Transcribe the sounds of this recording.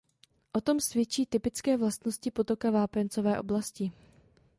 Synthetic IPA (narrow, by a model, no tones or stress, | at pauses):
ʔo̞t̪o̞msvjɛt͡ʃiːt̪ɪpɪt͡skɛːvlast̪no̞scɪpot̪o̞kavaːpɛnt͡sovɛːʔo̞̰blascɪ